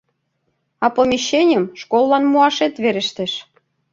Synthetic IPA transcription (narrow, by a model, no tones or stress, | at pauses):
ɑpomʲiɕːenʲəmʃkolˠːɑnmuɑʃet̪βeɾɘ̆ʃt̪eʃ